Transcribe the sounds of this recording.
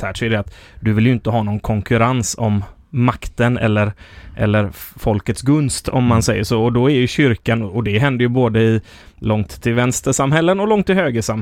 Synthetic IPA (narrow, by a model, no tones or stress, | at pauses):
æːʂɔɛd̪ɛat̪d̪ɵvɪljɵɪnt̪əɦɑːnɔnkʰɔŋkʰɵɾansɔmː | akt̪ənɛ̰lːəɾʔɛ̰lːəɾfɔlkət̪sɡɵnst̪ʰɔ̰mːansɛjːəʂoːɔd̪ɔɛɾjɵɕʏɾkanɔɔd̪ɛɦɛnd̪əɾjɵboːd̪əɪ | lɔŋt̪ʰːɪlvɛnst̪əʂamɦɛlːənɔlɔŋt̪ːɪlhøːɡəʂam